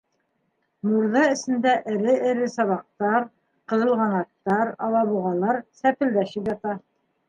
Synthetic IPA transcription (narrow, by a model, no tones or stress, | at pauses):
muɾðɑɘ̆sɘ̆nd̪æʔɘ̆ɾɘʔɘ̆ɾɘsɑβɑq̚t̪ɑɾ | qɤ̆ðɤ̆lˠʁɑnɑt̪ːɑɾɑlˠɑβuʁɑlˠɑɾsæpɘ̆ld̪æʃɘpjɑt̪ɑ